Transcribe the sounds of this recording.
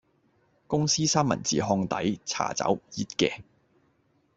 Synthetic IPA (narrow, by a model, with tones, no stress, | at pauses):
kʊ˥ŋsiː˥saː˥mɐ̰˨˩nt͡sḭː˨˩ɦɔː˧ŋt̪ɐ˨˥jt͡sʰa̰ː˨˩t͡sɐ̰˨˥wjiː˧t̚kɛː˧